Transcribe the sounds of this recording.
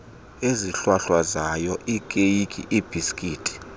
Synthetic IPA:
eziɬwaɬwazajɔʔikʼejikʼḭʔib̥ʱiskʼiːtʼi̥

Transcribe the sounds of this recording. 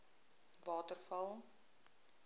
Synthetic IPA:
vɑːtərfɐlˠ

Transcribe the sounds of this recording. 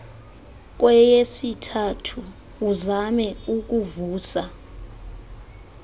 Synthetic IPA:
k̬wɛjesitʰatʰuː | zamɛuk̬ʼuvuːsa

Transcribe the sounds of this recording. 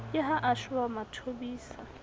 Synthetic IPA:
jʼɪɦaʔaʃʊamatʰobiːsa

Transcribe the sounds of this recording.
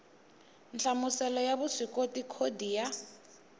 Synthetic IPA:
nt͡ɬamusɛlɔjaβuʂikotikʰodija

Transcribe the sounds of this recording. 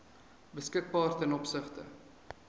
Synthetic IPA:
bəskək̚bɑːrtɛnɔpsəχtə̰

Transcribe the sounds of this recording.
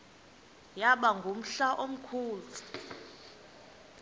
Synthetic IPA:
jaɓaŋɡʱum̩ɬaʔom̩kʰuːt͡si̥

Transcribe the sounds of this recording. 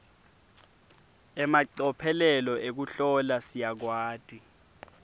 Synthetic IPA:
ɛmaǀɔpʰɛlɛlɔʔek̬uɬɔlasijak̬waːd̥ʱʼi

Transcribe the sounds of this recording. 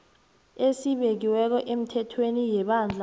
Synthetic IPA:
esiɓek̬iwɛk̬ɔʔem̩tʰɛtʰwenijɛɓand͡ɮʱa

